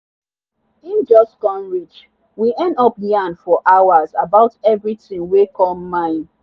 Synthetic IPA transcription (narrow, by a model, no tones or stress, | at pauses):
ĩnd͡ʒɔskɔ̃nɹit͡ʃ | wiʔɛ̃ndɔpjãnfɔʔawazabaʊtɛvɹitĩŋwekʰɔmːãɪ̃n